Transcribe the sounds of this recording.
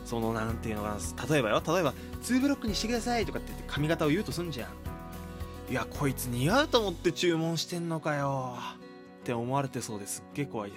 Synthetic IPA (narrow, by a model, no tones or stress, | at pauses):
so̞no̞nãnt̪eiɯnokanast̪at̪o̞e̞bajo̞t̪ʰat̪o̞e̞ba | t͡sɨːbɯ̟ɾʲo̞kːɯ̟ɲ̟iɕt̪eɡiasait̪o̞kat̪ːet̪ːekʰamʲiɡat̪ao̞jɯ̟ːt̪osɨ̃ɲ̟d͡ʑã̰ | iakʰo̞it͡sɨɲ̟iɡaɯ̟t̪o̞ːmo̞t̪ːe̞t͡ɕɨːmõ̞ɰ̃ɕi̥t̪ẽ̞nnːo̞kajo̞ | t̪ːe̞o̞mo̞aɾe̞t̪e̞so̞ːd̪e̞sɨ̥ɡːe̞ːko̞βaid̪e